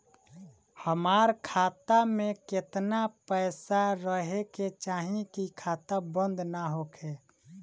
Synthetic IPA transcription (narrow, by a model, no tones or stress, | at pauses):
həmaːɾkʰaːt̪amẽkɪt̪napəɪsaɾəɦeket͡ʃaːɦĩkikʰaːt̪abə̃nd̪naɦoːkʰeː